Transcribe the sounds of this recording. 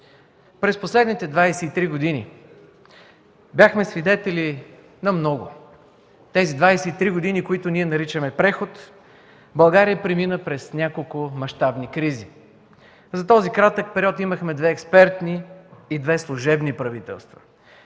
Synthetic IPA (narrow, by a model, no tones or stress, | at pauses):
pɾɛsposlɛd̪nit̪ɛd̪vajsɛit̪ɾiɡod̪ini | bʲjaxmɛsvid̪ɛt̪ɛli | nɐmnɔɡʊ̰ | t̪ɛzid̪vajsɛit̪ɾiɡod̪inikoit̪ʊniɛnɐɾit͡ʃəmɛpɾɛxot̪ | bɐlˠɡaɾijəpɾiminəpɾɛsnʲakolˠkʊmɐʃt̪abnikɾizi | zɐt̪ɔzikɾat̪ək̚pɛɾiɔt̪iməxmɛd̪vɛːkspɛɾt̪niːd̪vɛslˠʊʒɛbnipɾɐvit̪ɛ̰lˠst̪vɐ̥̰